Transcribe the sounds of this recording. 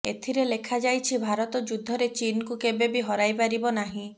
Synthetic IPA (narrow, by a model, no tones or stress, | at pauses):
et̪ʰiɾelekʰad͡ʒajt͡ʃʰibʱaɾɔt̪ɔd͡ʒud̪ʱːɔɾet͡ʃinɔkukebebiɦɔɾajpaɾibɔnaɦĩ